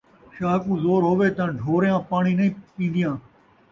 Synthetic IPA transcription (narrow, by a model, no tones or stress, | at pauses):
ʃaːkũːzoːɾɦoːʋeːt̪ãːɖʱoːɾjãːpaːɳiːnəĩːpĩːnd̪ɪjãː